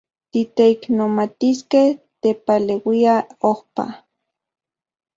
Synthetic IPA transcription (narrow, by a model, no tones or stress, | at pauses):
t̪it̪eiknomat̪iskeht̪epalewiaohpa̰